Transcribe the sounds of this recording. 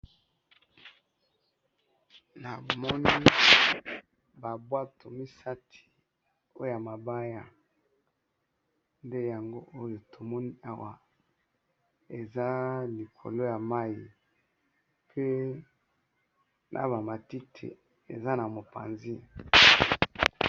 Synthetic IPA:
na˨mɔ˦ni˦ | ba˨bwa˦tʰo˨mi˦sa˦tʰi̥˨ | o˦jo˦ja˨ma˨ba˦ja˦ | nde˦ja˨ŋɡo˦ʔo˦jo˨tʰo˨mɔ˦ni˦ʔa˦wa˨ | e˨za˦li˨kʰo̰˨lo˦ja˨ma˦ji˨ | pʰe˦ | nʔa̰˦ba˨ma˨ti˦tʰḛ˨ | ḛ˨za˦na˨mo˨pa̰˨nzi˦

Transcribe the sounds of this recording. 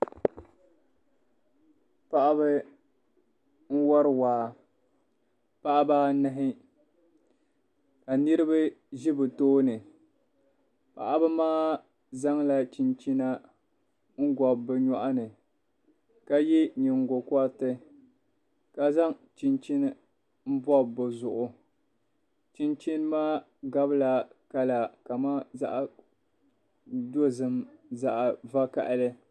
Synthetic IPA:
pa˦ʔa˦βɨ˦ | n̩˦wɔ˦ɾɨ˦˨waː˨ | pa˦ʔa˦baː˦nɨ˦ɦɪ˦ | ka˨nɨ˦ɾɨ˦ba˦ʒi˦bɨ˨toː˦nɨ˨ | pa̰˨ʔa˦bɨ˦maː˦ | za˦ŋla˦t͡ʃi˨nt͡ʃi˦na˦ | ŋ̩˦ɡɔ˨bbɨ˨ɲɔ˦ʔa˦nɨ˨ | ka˦jɛ˦ɲi˨ŋɡo˨kʷa˦tɨ˦ | ka˨za˦ŋt͡ʃi˨nt͡ʃi˦nɨ˦ | m̩˦bɔ˦bo˨zʊ˨ʔʊ˨ | t͡ʃi˦nt͡ʃi˦n˦maː˦ | ɡa˦bɨ˦la˨ka˦la˨ka˨maː˦za˦ʔa˦˨ | do˦zɨ˦mza˦ʔa˨va˦ka̰˨ʔlɨ˦

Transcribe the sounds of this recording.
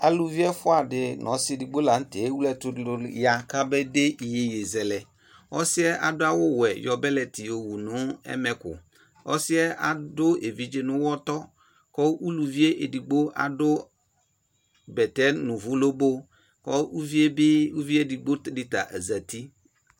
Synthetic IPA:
a˨lu˨vi˦ɛ˦fʊ˦a˨dɪ˨nʔɔ̃˨˦sɪ˦˨di˨ɡ͡bo˦la˨n̩˦te˨˦wu˦lɛ˨tʊ˦dlʊ˨˦ja˨ka˦bɛ˦de˦ʔi˨je˨je˨zɛ˨lɛ˨ | ɔ˦sɪ˦ɛ˦ʔa̰˨dʊ˦a˦wʊ˦wɛ˨jɔ˨bɛ˦lɛ˨ti˨o˨wu˨nʊ̃˦ɛ̰˦mɛ˨kʊ̰˨ | ɔ̰˦sɪ˦ɛ˦a˨dʊ˦e˨vi˨˦d͡ʒɪ˦nʊ̃˦wɔ˦t̪ɔ˦ | kɔ˦u˦lu˨vi˦e˦ʔe˨di˨ɡ͡bo˦ʔa̰˨dʊ˦ | bɛ˨tɛ˦nʊ̃˨vʊ˦lo˦bo˦ | kɔ˦u˦vi˦e˦bɪ˦u˦vi˦e˦di˨ɡ͡bo˦tdɪ˦ta̰˨ʔa˨za˨ti˦

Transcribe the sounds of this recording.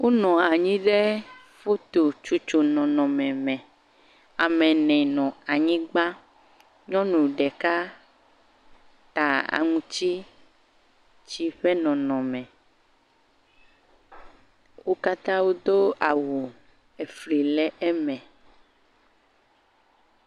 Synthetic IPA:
wo˦nɔ̃˨a˨ɲĩ˦ɖɛ˦ | fo˦t̪o˨t͡ʃu˨t͡ʃo˨nɔ̃˨nɔ̃˨mɛ̃˨mɛ̃˨ | a˨mɛ̃˨nɛ̃˨nɔ̃˨a˨ɲĩ˦ɡ͡ba˦ | ɲɔ̃˦nũ˨ɖɛ˨ka˦ | t̪a˨a̰˨ŋũ˦t͡ɕi˦ | t͡ʃi˦ɸɛ˦nɔ̃˨nɔ̃˨mɛ̃˨ | wo˦ka˦t̪ã˦wo˦d̪o˦a˨wu˨ | ɛ˨fli˨lɛ˦ʔɛ˦mɛ̃˨

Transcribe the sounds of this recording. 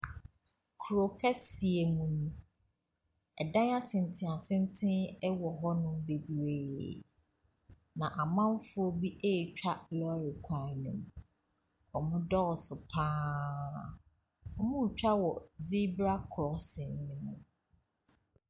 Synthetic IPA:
kʰu˨ɾo˨kʰɛ˦si˨e˨mũ˨nũ˦ | ɛ˨dã˦n˦a˦tʰɪ̃˨n˨tʰɪ̃˨a˨tʰɪ̃˦n˦tʰɪ̃˦ɛ˦wɔ˨ɦɔ˦nʊ̃˦m˦be˨bi˨ɾe˨ | nã˨ʔa˨mã˦m˦fʊ˦ɔ˦bi˦ʔe˦˨t͡ɕᶣa˦lɔ˦ɾɪ˨kʷʰa˨nʊ̃˨m˨ | ɔ˨mʊ̃˦dɔ˦˨sʊ˨pʰãː˦ | ɔ˨mʊ̃˦wu˨t͡ɕᶣa˦wɔ˨zi˦bɾa˦kʰɾɔ˨sɪ˨n˨mɪ̃˨nʊ̃˨

